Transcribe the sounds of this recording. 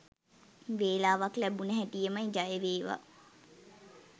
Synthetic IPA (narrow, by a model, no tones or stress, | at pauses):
ʋeːlaːʋaklæbunəɦæʈijemajd͡ʒajəʋeːʋa̰